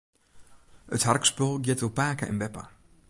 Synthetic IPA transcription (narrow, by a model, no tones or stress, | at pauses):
ətharkspølˠɡjiətʋəlˠpaːkə̰ʔɪ̰nbɛpa̰